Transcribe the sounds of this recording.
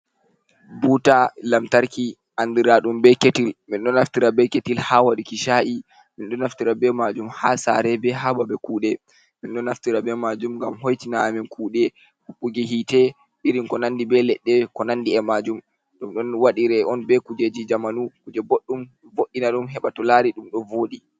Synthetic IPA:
butalamtaɾki | ʔandiɾaɗumbɛketilminɗɔnːaftiɾabɛketilhawaɗikiʃaːʔi | minɗɔnːaftiɾabɛmad͡ʒumhasa̰ɾɛbɛɦababɛkuːɗɛ | minɗɔnːaftiɾabɛmad͡ʒumŋɡamɦojtinaːminkʰuːɗɛ | huɓːuɡɛɦitɛ | ɗiɾinkɔnandibɛlɛɗːɛkɔnandiɛmad͡ʒum | ɗɔmɗɔnwaɗiɾɛɔnbɛkud͡ʒed͡ʒid͡ʒamanukud͡ʒɛboɗːum | voɗːinaɗumɦɛɓatɔlaɾiɗumɗɔnvoːɗi

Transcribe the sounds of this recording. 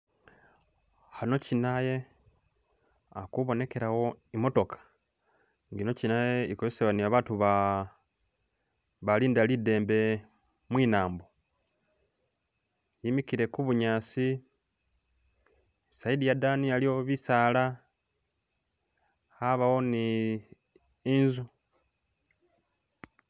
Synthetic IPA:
hano̞cinaje̞ | akuβo̞ne̞ke̞ɾawo̞imo̞to̞kʰḁ | ŋɡino̞cinajeikozeseβaniβaβaːtuβa | βaliːndalide̞ːmbe̞ | mwiːnaːmbo | jimikiɾe̞kuβuɲaːsi | saidijadanijalio̞βisaːla | aβawo̞ni | inzu

